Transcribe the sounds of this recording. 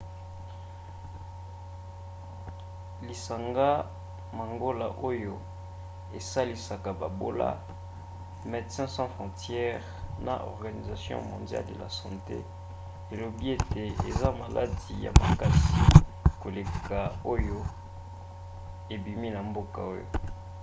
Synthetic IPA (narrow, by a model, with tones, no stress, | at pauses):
li˨sa˨ŋɡa˦ | ma˨ŋɡo˦la̰˨ʔo˦jo˦ | e˨sa˦li˨sa˨ka˨ba˨bo˦la̰˦ | mɛ˨dsɛ̃˦sɑ̃˦fχɔ̃˨tjɛ˦ʁna̰˨ʔɔ̰˨ʁɡa˨ni˨za˨sjɔ̰̃˦mɔ̃˨ndja̰˦lde˨la̰˨sɑ̃˨tḛ˦ | e˨lo˨bi˦e˦te˨e˨za˦ma˨lʔa˦di˨ja̰˨ma̰˨ka˦si˨ko˨le˨ka˨o˦jo˦ | e˨bi˨mi˦na˨mbo˦ka˨o˦jo̰˨